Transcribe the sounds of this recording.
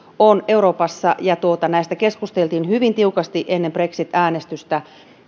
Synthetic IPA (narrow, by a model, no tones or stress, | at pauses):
one̞uɾo̞ːpɑsːɑjɑt̪uot̪ɑnæist̪ækeskust̪elt̪iːnhyʋint̪iukɑst̪iʔenːempre̞ksit̪æːnest̪yst̪æ